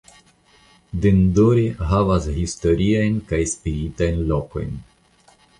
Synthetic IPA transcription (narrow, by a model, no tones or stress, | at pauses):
d̪endoɾeɦavashisto̞ɾiajnkajspiɾitajnloko̞̰jn